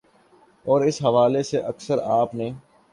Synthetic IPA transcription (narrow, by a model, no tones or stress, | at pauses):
ɔːɾɪsɦɐʋaːleseʔɐksəɾaːpnẽː